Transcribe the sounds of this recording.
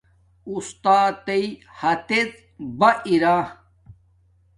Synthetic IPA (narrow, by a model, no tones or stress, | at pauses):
ust̪aːt̪ɐihɐt̪et͡s | bɐʔiɾa